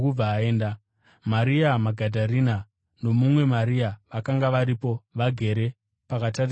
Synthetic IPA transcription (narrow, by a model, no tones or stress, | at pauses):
ub͡vaːeːnda | maɾiamaɡʱadʱaɾina | no̞mumwe̞maɾiaʋakaŋɡaʋaɾipo̞ʋaɡʱe̞ɾe̞ | pakatar